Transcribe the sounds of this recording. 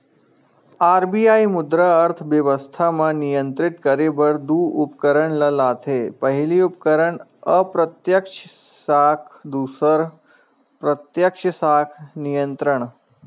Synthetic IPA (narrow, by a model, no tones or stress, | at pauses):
aɾbiaimud̪ɾəəɾt̪ʰʋjəʋəst̪ʰamənijənt̪ɾiʈ̪kəɾebəɾd̪uːupkəɾəɳləlat̪ʰepəɦiliːup̚kəɾəɳəpɾət̪jəkʂ | sakʰd̪usəɾ | pɾət̪jəkʂəsakʰnijənt̪ɾəɳ̃